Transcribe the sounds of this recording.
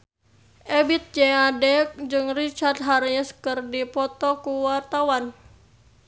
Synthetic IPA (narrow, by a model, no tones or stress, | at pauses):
ʔebit̪̚d͡ʒɛadɛk̚d͡ʒɨŋrit͡ʃard̪̚ɦaɾjɛskɨrdipɔt̪ɔkuwart̪awan